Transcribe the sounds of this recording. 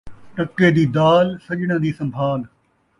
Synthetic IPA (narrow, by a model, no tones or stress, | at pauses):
ʈəkːeːd̪iːd̪aːlsəʄɽãːd̪iːsə̃mbʱaːl